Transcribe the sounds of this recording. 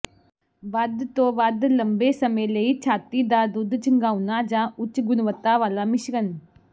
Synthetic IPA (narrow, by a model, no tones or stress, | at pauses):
ʋəd̪t̪õːʋəd̪ləmbeːsəmẽːləiːt͡ʃʰaːt̪iːd̪aːd̪ʊd̪t͡ʃəŋɡãːunaːd͡ʒãːʔʊt͡ʃːɡʊnʋət̪aːʋaːlaːmɪʃɡən